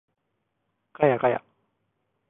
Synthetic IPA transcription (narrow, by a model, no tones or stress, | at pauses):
kajakaja̰